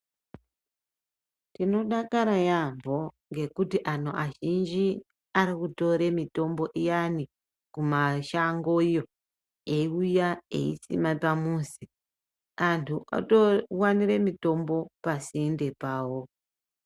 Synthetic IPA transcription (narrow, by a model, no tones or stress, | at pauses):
tino̞ɗakaɾajambʱo̞ | ŋɡe̞kutiʔan̤oʔaʒind͡ʒi | aɾikuto̞ɾe̞mito̞mbo̞ʔijani | kumaʃaŋɡoijo | e̞iujaḛḭsḭmapamusi | antʰuʔa̰towaniɾe̞mito̞mbo̞pasiende̞paːwo